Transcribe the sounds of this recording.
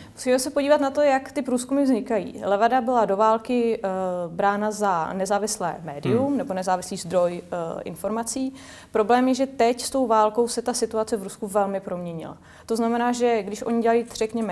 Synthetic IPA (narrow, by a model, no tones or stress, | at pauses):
mu̥siːmɛsɛpo̞dɟiːvat̪nat̪o̞jakt̪ɪpɾuːskumɪvzɲɪkajḭːlɛvadabɪlado̞vaːlkɪ | bɾaːnazanɛzaːvɪslɛ̰ːmɛːdɪumnɛbo̞nɛzaːvɪsliːzd̪ɾo̞jʔɪ̰nfo̞ɾmat͡siː | pɾo̞blɛːmjɛʒɛt̪ɛcst̪o̞wvaːlko̞wsɛt̪asɪt̪uat͡sɛvɾuskuvɛlmɪpɾo̞mɲɛɲɪ̰la̰ | t̪o̞znamɛnaːʒɛɡdɪʃʔo̞ɲɪɟɛlajiːr̝̥ɛkɲɛmɛ